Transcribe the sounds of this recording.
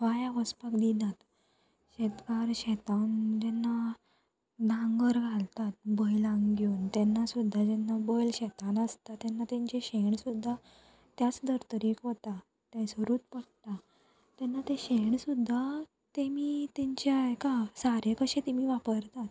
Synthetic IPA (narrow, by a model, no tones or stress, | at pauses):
ʋajaʋəspakd̪inat̪ | ɕɛt̪kaɾɕɛt̪and͡ʑɛnːa | d̪ʱãŋɡəɾɡʱalt̪at̪̚bəjlaŋɡɡjoːnt̪ɛnːasud̪ʱːad͡ʑɛnːabɔjlɕɛt̪anəst̪at̪ɛnːat̪ɛ̃ɲt͡ɕeɕeɳsud̪ʱːa | t̪jat͡sd̪əɾt̪əɾikɦot̪a | t̪jãsəɾuːt̪̚pəɽʈ̪a | t̪ɛnːat̪eɕeɳsud̪ʱːa | t̪emiːt̪ɛ̃ɲt͡ɕajkasaɾekəɕẽt̪emiːʋapəɾt̪at̪